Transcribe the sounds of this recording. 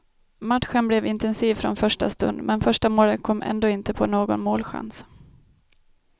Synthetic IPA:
mat̪ɧənblɛvɪnt̪ɛnsiːvfɾɔ̰nfœʂʈa̰st̪ɵ̰nd̪mɛnfœʂʈamoːləkʰɔmːʔɛ̰nd̪oːɪnt̪əpʰɔnoːɡɔ̰nmoːlɧa̰ns

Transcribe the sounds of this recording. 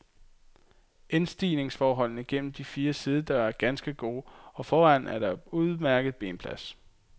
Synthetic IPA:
ensd̥ḭːne̝ŋsfɒːɦɒ̽l̰nəɡ̥en̰m̩d̥ifiːɐsið̞ˠəd̥ɑæɐɡ̥ænsɡ̥əɡ̥o̝̰ːɒ̽fɒːæn̰æɐɾ̥ɑ̈uðˠmæɐɡ̥əð̩ˠb̥e̝̰ːnpʰlæs

